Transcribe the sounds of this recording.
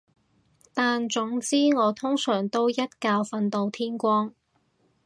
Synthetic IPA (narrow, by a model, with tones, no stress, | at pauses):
t̪aː˨nt͡sʊ˨˥ŋt͡siː˥ŋɔː˨˧t̪ʰʊ˥ŋsœː˨˩ŋt̪o˥wjɐ˥t̚kaː˧wfɐ˧nt̪o˨wt̪ʰiː˥nkʷɔː˥ŋ